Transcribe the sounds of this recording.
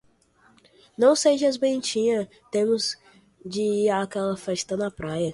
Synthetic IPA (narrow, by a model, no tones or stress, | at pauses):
nɐ̃w̃seʒɐzbẽnt͡ʃĩɲɐ | t̪ẽmʊz | d͡ʒɪiakɛlɐfɛʃt̪ɐnɐpɾajɐ